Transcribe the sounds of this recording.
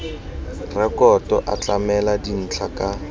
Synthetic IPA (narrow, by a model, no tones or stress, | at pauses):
rɛkɔtʼɔʔat͡ɬamɛladin̩t͡ɬʰaka